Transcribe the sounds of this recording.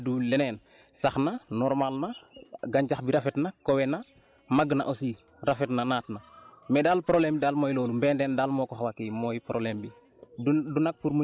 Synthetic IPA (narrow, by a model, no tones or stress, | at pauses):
dulɛnɛːn | saxnanɔɾmalnaɡaɲd͡ʒaxbiɾafɛtnakowɛna | maɡna̰ʔosi | rafɛtnanaːtnamɛdaːlpɾoblɛmidaːlmoːjloːlumbɛndɛndaːlmɔːkoxawakijmɔjpɾʔolɛmbi | dunak̚puɾmu